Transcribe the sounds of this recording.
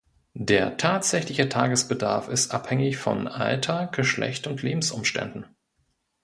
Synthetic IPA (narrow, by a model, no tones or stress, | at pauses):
deːɐtʰaːtz̥ɛçlɪçətʰaːɡəsb̥ədaɐfɪstʔaphɛŋɪçfɔ̰nʔa̰ltʰɐɡ̥əʃlʔɛ̰çtʊntʰleːbm̩sʔʊ̰mʃtɛ̰ndn̩